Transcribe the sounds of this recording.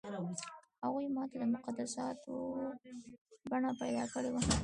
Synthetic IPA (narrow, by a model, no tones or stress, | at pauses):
haɣujmɑt̪ad̪əmʊqad̪asɑt̪ʰo | baɳapajd̪ɑkəɽewa